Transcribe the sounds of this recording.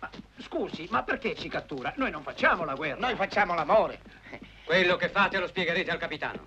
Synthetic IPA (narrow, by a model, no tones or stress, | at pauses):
maskuːzimapːerk̟et͡ʃːikat̪ːuːɾanojnoɱfat͡ʃːaːmolaɡwɛrːnojfat͡ʃːaːmolamoːɾḛ | kwelːokefːaːt̪elospjɛɡeɾeːt̪ealkapit̪a̰ːno̰